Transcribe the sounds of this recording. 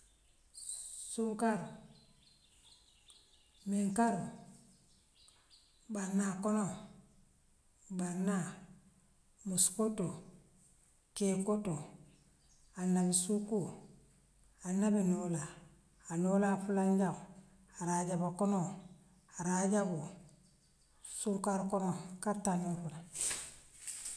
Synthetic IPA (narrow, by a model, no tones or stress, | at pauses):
suŋkaɾu | miŋkaɾu | banːakono | banːa | muskoto | kekoto | anːabisuku | anabinolaː | nolafulaɲɟa | aɾaɟabakono | aɾaɟabu | sulkaɾkonokatːanofula